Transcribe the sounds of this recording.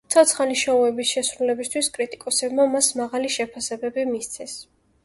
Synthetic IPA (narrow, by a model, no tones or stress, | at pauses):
t̪sʰɔt̪sʰχaniʃauɛbisʃɛsɾulɛbist̪ʰwiskʼɾit̪ʼikʼɔsɛbmamasmaʁaliʃɛpʰasɛbɛbimist̪sʰɛs